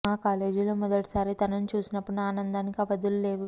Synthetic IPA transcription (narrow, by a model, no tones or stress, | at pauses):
aːkaːle̞ːd͡ʒuloːmɔd̪ɐʈɐ̥saːɾit̪ɐnɐnut͡ʃuːsinɐpːuɽuaːnɐnd̪aːnikɐʋɐd̪ulule̞ːʋu